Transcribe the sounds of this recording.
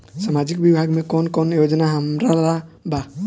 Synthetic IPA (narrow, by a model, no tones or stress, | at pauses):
samad͡ʒikbibʱaɡmẽkɔnkɔnjod͡ʒnaɦəmɾalaba